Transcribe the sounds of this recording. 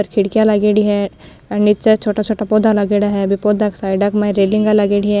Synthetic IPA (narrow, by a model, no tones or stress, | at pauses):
əɾkʰɪɽkijalaɡeɽiɦɛ | ɐnit͡ʃet͡ʃʰoːʈat͡ʃʰoːʈapoːd̪ʱalɐɡeːɽaɦɛbʱipoːd̪aksaːɪɖakmaĩɾeːlɪ̃ŋɡalɐɡeɽiɦɛ